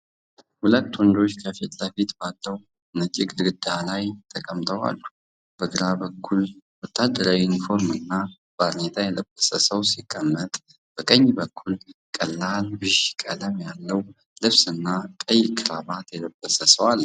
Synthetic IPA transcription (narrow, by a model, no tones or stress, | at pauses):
hulət̪ːwɔnd̪o̞t͡ʃːkʰəfit̪ʼləfit̪balːəw | mət͡ʃʼɪɡʼɨd̪ɡɨd̪alajt̪ʰəkʼəmt̪ʰəwa̰lːu | b̥əɡɨɾabəkʰːulwɔt̪ʰːad̪ːəɾajunifo̞ɾmɨnːa | bad̪net̪ʰajɛləbːəsəsəwsikʼːəmːət̪ʼ | b̥əkʼəɲːbəkʰːulkʼəlːalbɨʃkʼələmjalːəw | lɨβsɨnːakʼəjkʰɨɾaβat̪jɛləb̥ːəsəsəwal